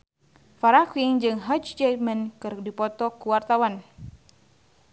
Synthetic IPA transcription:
faɾakwiŋd͡ʒɨŋɦad͡ʒd͡ʒɛmənkɨrdipɔt̪ɔkuwart̪awan

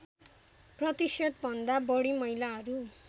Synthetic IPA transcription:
prʌt̪isjʌt̪̚bʱʌnd̪abʌɽimʌjlaɦʌɾu

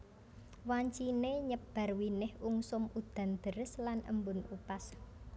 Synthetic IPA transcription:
waɲt͡ʃineɲəb̥a̤rwinɪhuŋsʊmud̪̥a̤nd̪̥əɾəslanʔə̰mbʊnupas

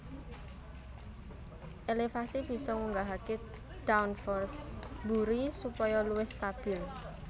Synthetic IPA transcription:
ʔelefasib̥i̤sɔŋuŋɡaɦake | d̥awnfɔrsbuɾisupɔjɔluwɪhst̪ab̥ɪl

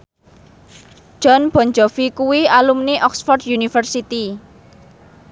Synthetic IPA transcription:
ʒ̥ɔ̤nb̥ɔ̤nd͡ʒɔfikuwialumniʔɔksfɔrd̪junifərsit̪i

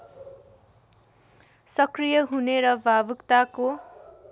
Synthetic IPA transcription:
sʌkrijʌɦuneɾʌbʱabukt̪ako

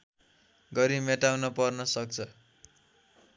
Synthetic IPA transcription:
ɡʌɾimeʈawnʌpʌrnʌsʌk̚t͡sʰʌ

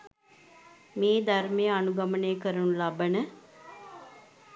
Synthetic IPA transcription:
meːd̪armejanuɡaməneːkəɾunlabənə

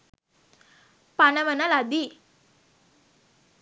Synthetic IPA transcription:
panəʋənalad̪i

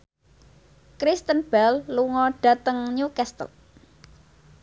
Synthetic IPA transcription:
kɾist̪ənb̥ɛlːuŋɔɖ̥a̤t̪əŋɲukɛst̪ə̰l

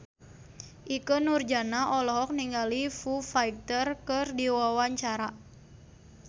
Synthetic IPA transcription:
ʔikənurd͡ʒanaʔɔlɔɦɔk̚niŋɡalifufajk̚t̪ərkərdiwawaɲt͡ʃaɾa

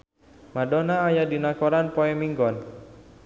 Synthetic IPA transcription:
madɔnaːjadinakɔɾanpɔɛmiŋɡɔn

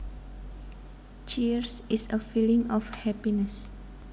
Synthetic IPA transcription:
t͡ʃiɹsisəfilĩŋɔfhɛpinəs

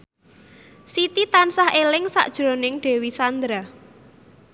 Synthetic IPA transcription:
sit̪it̪ansahelɪŋsa̰ʔd̥ʒ̥ɾonɪŋɖ̥ɛ̤wisand̪ɾa

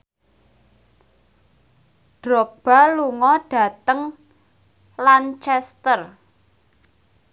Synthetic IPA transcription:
ɖ̥ɾɔk̚b̥a̤luŋɔɖ̥ä̤t̪əŋ | lant͡ʃɛst̪ər

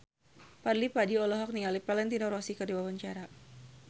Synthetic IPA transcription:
padlipadiɔlɔɦɔk̚niŋalipalɛnt̪inɔɾɔsikərdiwawaɲt͡ʃaɾa

